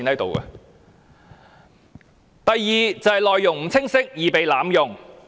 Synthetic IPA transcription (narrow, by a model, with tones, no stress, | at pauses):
nhɐ˨˥jt̪o̰˨wkɐ̰˧ | t̪ɐ˨jːiː˨t͡sɐ˨whɐ˨jlɔː˨jːʊ˨˩ŋm̩˨˥t͡sʰɪ˥ŋsɪ˥k̚jiː˨pe˨jlaː˨˥mjʊ˨˩ŋ